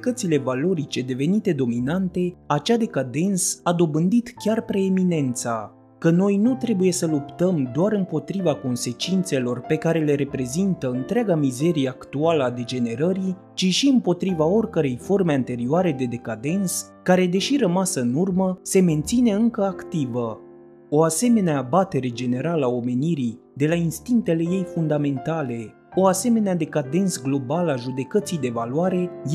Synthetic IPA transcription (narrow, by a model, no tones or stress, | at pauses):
ik̪ət̪sile̞valo̞ɾit͡ʃe̞d̪e̞ve̞nit̪e̞d̪o̞minant̪e̞at͡ʃad̪e̞kad̪e̞nsad̪o̞bɨnd̪it̪kʲarpɾe̞emine̞nt̪sa | kəno̞jnut̪ɾe̞buje̞səlupt̪əmd̪oaɾɨmpo̞t̪ɾivako̞nse̞t͡ʃint̪se̞lo̞rpe̞kaɾe̞le̞ɾe̞pɾe̞zint̪əɨnt̪ɾeaɡamize̞ɾijeakt̪ualəad̪e̞d͡ʒe̞ne̞ɾəɾi | t͡ʃiʃiɨmpo̞t̪ɾivao̞rʲkəɾe̞jfo̞rme̞ant̪e̞ɾioaɾe̞d̪e̞d̪e̞kad̪e̞ns | kaɾe̞d̪e̞ʃiɾəmasəɨnurməse̞me̞nt̪sine̞ɨŋkəakt̪ivə | o̞ase̞me̞neaːbat̪e̞ɾe̞d͡ʒe̞ne̞ɾaləao̞me̞niɾi | d̪e̞lainst̪iŋk̚t̪e̞le̞je̞jfund̪ame̞nt̪ale̞ | o̞ase̞me̞nead̪e̞kad̪e̞nsɡlo̞balaʒud̪e̞kət̪sijd̪e̞valwaɾe̞j